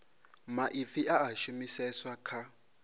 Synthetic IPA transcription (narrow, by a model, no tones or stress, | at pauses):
maʔifiʔaːʃumisɛswakʰa